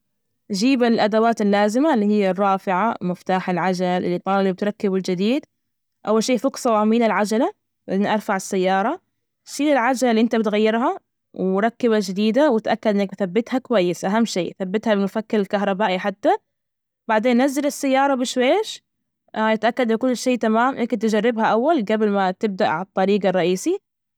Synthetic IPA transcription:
ʔd͡ʒiːbɪlʔad̪awaːt̪ɪlːaːzɪmalːiːhɪjːarˤːɑːfɪʕamɪft̪aːħɪlʕad͡ʒalʔɪ̰lːit̪ˤɑːllib̚ɪt̪ɾˤɑkːɪbɪld͡ʒɪd̪iːd̪ | ʔawːalʃiːʔfʊqsˤɑwʕamiːlalʕad͡ʒala | wʔɪnːiʔɑɾˤfaʕɪsːajːɑːɾˤɑ | ʃiːlɪlʕad͡ʒalalːiʔɪnt̪abɪt̪ɣajːɪɾɦa | wɾˤɑkːɪβad͡ʒɪd̪iːd̪awɪt̪ʔakːad̪ʔɪnːak̚bθabːɪt̪hakwajːɪsʔaɦamːʃiːθabːɪt̪habɪlmʊfakːalɪlkaɦɾˤɑbaːʔiħat̪ːa | baʕd̪eːnːazːalɪsːajːɑːɾˤɑbɪʃweːʃ | jɪt̪ʔakːad̪bɪkʊlːʃiːʔt̪amaːmʔɪnːakɪnt̪ɪd͡ʒarːɪbhaʔawːalɡabɪlmat̪ɪb̚d̪aʔʕaɑt̪ˤːɑɾiːɡɑrˤːɑʔiːsi

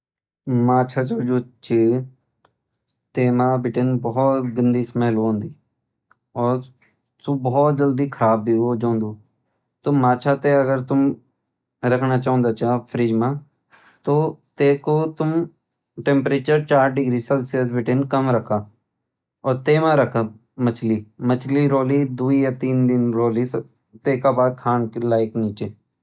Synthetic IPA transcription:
maːt͡ʃʰaːt͡ʃoːd͡ʒoːt͡ʃiː | t̪eːmaːbɪʈenbɔɦɔt̪ɡənd̪iːsəməɦloõːnd̪iː | ɔːɾ | t̪ubɔɔːt̪̚d͡ʒəld̪iːkʰəɾaːbbiːɦoːd͡ʒõːnd̪uː | t̪oːmaːt͡ʃʰaːt̪eəɡəɾt̪ʊm | ɾəkʰnaːt͡ʃaːʊ̃ːnd̪aːt͡ʃaːpʰɾiːd͡ʒmãː | t̪ot̪eːkot̪ʊm | ʈẽmpɾeːt͡ʃəɾt͡ʃaːɾɖɪɡɾisɐlsiət̪bɪʈenkɐmɾɐkʰaː | ɔːɾt̪eːmãɾɐkʰa | mət͡ʃʰlimət͡ʃʰliɾoːlid̪uːijat̪iːnd̪ɪnɾoːlis | t̪eːkabaːd̪̚kʰaːnklaːɪkniːt͡ʃeː

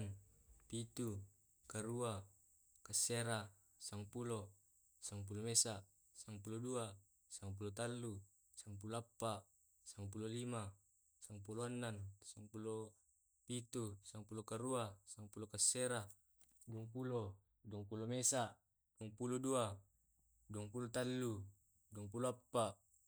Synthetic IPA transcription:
npit̪u | kaɾua | kaseɾa | saŋpulo | saŋp̬ulomesa | saŋp̬ulodua | saŋp̬ulot̪alːu | saŋp̬uloapːaʔ | saŋpulolima | saŋp̬uloanːansaŋpulo | pit̪usaŋpulokaɾuasaŋpulokasːeɾa | duoŋpulo | duoŋpulomesa | duoŋpulodua | duoŋpulot̪alːu | duoŋpuloapːaʔ

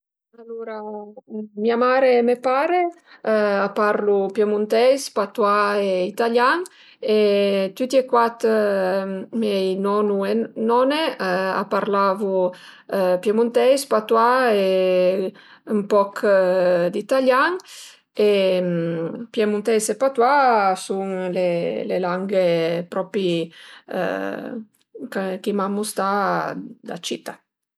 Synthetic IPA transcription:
aluɾa | miamaːɾemepaːɾe | apaɾlupjemunt̪ɛjspat̪waeit̪aljaŋ | et̪ut̪iekwat̪ | mɛjnɔnuenɔnea̰paɾlaːvu | pjemunt̪ɛjspat̪wae | umpɔkʰ | d̪it̪aljaŋ | empjemunt̪ɛjsepat̪wasuŋlelḛlaŋɡepɾɔpḭ | kkimamːust̪a | d̪a̰t͡ʃit̪a

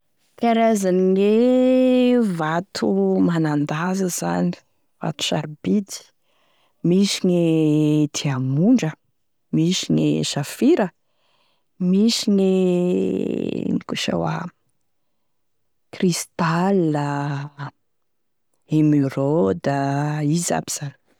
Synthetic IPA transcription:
t̪aɾazanile | vat̪ʰumanand̪azəz̥a̰ni̥ | v̥a̰t̪u̥ʃaɾbit̪i̥ | misinet̪ʰiamuɳɖ͡ʐə | misineʃafiɾə | misine | nikuʃa̰wa̰ | krist̪alə | emyɾod̪əiza̰b̥iz̥ani̥

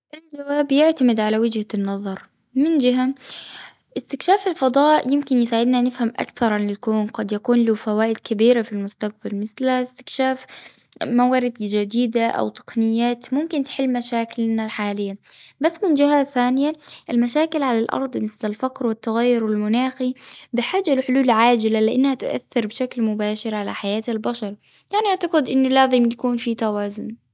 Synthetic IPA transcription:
ʔɪld͡ʒawaːbjɪʕt̪amɪd̪ʕalawɪd͡ʒhanːɑðˤɑɾˤ | mɪnd͡ʒɪɦa | ʔɪst̪ɪkʃaːfɪlfɑd̪ˤɑːʔjɪmkɪnjɪsaːʕɪd̪nanɪfhamʔa̰kθɑɾˤlɪlkoːnqɑd̪jakuːnlufawaːʔɪd̪kabiːɾafilmʊst̪aq̚balmɪθlast̪ɪ̥kʃaːf | mawaːɾɪd̪d͡ʒad̪iːd̪aʔa̰wt̪ˤɑ̥qnɪjːaːt̪mʊmkɪnt̪ħɪlːmaʃaːkɪlnalħaːlɪjːabasːmɪnd͡ʒɪhaθaːnɪjaʔɪlmaʃaːkɪlʕalalʔɑ̰ɾˤd̪ˤmɪθlalfaqɾwɪt̪ːaɣajːʊɾwɪlmʊnaːxibɪħaːd͡ʒːalħʊluːlʕaːd͡ʒɪlalɪʔanːhat̪ʊʔa̰θːɪɾbɪʃaklmʊbaːʃɪɾʕala̰ħajaːt̪albaʃɑɾˤ | jaʕniʔaʕt̪ɑqɪd̪ʔɪnːʊlaːzɪmjakuːnfit̪awaːzʊn

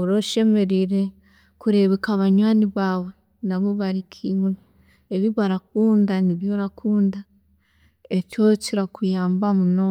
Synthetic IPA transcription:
oɾoʃe̞me̞ɾiɾe̞ | kuɾe̞βekaβaɲwaːniβaːwe̞ | naβoβaɾikʰim | eβiβaɾak̚uːndaniβjo̞ɾakʰuːnda | ecociɾakujaːmbamunoː

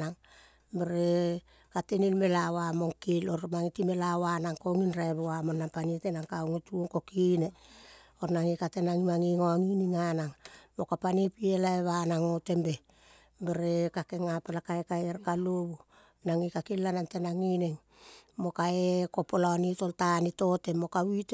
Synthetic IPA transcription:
naŋ | beɾe | katenilme̞lawamoŋkiloɾmaŋitime̞lawanaŋkoŋinɾaeβuamo̞nːampanitenaŋkawŋituoŋko̞kine | oɾnaŋikatenaŋimaŋiŋoaŋiniŋanaŋmo̞kapanipielaeβanaŋo̞te̞mbe | beɾekake̞ŋapelakaekaeɾkaloβu | naŋikakilːanante̞naŋiniŋ | mo̞kaeko̞polaonitoltanito̞te̞mo̞kawite

